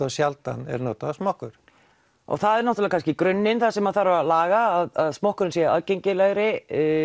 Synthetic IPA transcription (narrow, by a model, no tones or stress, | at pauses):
asjalt̪a̰nɛ̰ɾnɔːt̪asmɔhkʏɾ̥ | ɔ̰ɣθaðɛɾnɔht̪ʏlɛɾakʰanscɪkɾʏnːɪnθasɛmaðθaɾvalaːɣaːðaðsmɔhkʏɾɪnsjɛa̰ðcejɲcɪlɛɣɾɪ